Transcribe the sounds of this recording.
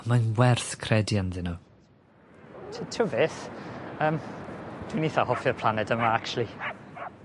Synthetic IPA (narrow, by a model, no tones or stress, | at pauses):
manwɛrθkʰrɛdjanðɪnu | tʰitʰʊveθəːmd̥winiθahɔfjɔpʰl̥ˠanɛdəmaak̚t͡ʃulˠi